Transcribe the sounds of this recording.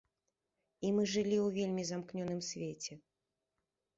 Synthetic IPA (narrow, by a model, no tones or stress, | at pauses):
imɨʐɨlʲiwvʲelʲmʲizamknʲɔnɨmsʲvʲet͡sʲɛ